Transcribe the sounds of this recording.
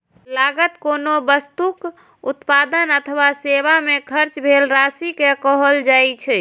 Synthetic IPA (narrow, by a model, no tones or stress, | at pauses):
laɡət̪konobəst̪uk | ut̪pad̪ənət̪ʰʋaseβamekʰəɾt͡ʃbʱelɾasikekɔɦəld͡ʒajt͡ʃʰɛ